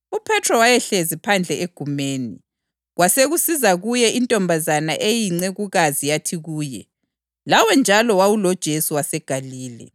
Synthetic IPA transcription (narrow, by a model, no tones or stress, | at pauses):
upʰɛtʰrɔwajɛɬezipʰand͡ɮʱɛʔeɡ̥ʱumeːni | ɣwaseɣusizaɣujɛʔintʼɔmbʱazanaʔejiŋ͡ǀɛɣuɣazijatʰiɣuːjɛ̰ | lawɛnd͡ʒʱalɔwawulɔd̥ʒ̥ʱesuwasɛɡ̥ʱaliːlɛ̰